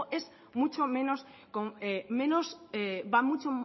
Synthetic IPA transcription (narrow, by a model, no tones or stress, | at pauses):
ʔes | mut͡ʃomẽnos | koŋemẽnosebamut͡ʃo